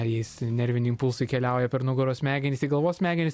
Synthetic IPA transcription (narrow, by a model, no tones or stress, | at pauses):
jɛɪsnʲɛɾʲʋʲɪnʲiːɪmpʊlˠsʊɪkʲɛlʲɛʊjɛpʲɛɾnʊɡʊɾoːsmʲæːɡʲɛnʲɪsiɡɐlˠʋoːsmʲæːɡʲɛnʲɪs